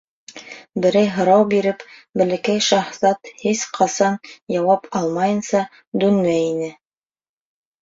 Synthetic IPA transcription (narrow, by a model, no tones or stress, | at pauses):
bɘ̆ɾæjɦɤ̆ɾɑwbiɾɘpbɘ̆lɘ̆kæjʃɑhsɑt̪hisqʰɑsɑnjɑwɑpɑlˠmɑjɤ̆nsɑ | d̪ʉnmæjinɘ